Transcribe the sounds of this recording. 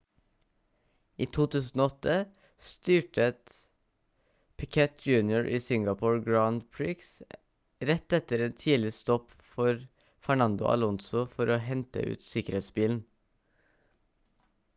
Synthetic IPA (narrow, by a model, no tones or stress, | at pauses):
iːt̪ʰuːt̪ʰʉːsn̩oːɔt̪ə | st̪yːʈət̪ | pʰɪkʰɛt̪̚d͡ʒʉːnjʊɹʔiːsɪŋɡɑpʰuːɹɡɹaʊnd̪pʰɹɪks | ɾɛt̪ɛt̪əɾeːnt̪ʰiːlɪst̪ɔp | fɔɾ | fæɳɑnd̪ʊ̰ʔɑ̰lɔnsʊfɔɾoːhɛnt̪ə̰ʔʉ̰ːt̪sɪkəɾheːt̪sbiːln̩